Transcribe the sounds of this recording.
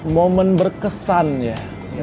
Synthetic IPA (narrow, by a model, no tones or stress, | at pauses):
momənbərkəsanja